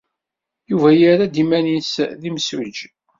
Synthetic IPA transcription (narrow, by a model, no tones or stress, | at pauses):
juvæjəɾad̪imænisðiməsɾid͡ʒ